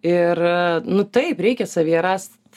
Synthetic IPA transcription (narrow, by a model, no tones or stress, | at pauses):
ɪrnʊt̪ɐɪpɾʲɛɪkʲɛsɐʋʲiɛɾɐs